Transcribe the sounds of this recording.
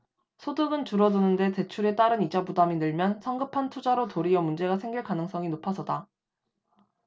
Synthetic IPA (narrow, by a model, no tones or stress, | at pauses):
sʰodɯɡɯnt͡ɕuɾʌdonɯnde̞te̞t͡ɕʰuɾe̞t͈aɾɯnid͡ʑabudaminɯɭmjʌnsʰʌŋɡɯpʰantʰud͡ʑaɾotoɾiʌmund͡ʑe̞ɡasʰe̞ŋɡiɭkanɯŋs͈ʌŋinopʰʌsʰʌda